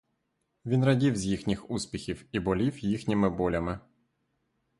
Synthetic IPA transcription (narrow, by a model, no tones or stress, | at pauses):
ʋʲinrɐdʲiwzʲjixnʲixuspʲixʲiwibɔlʲiwjixnʲimɪbɔlʲɐmɪ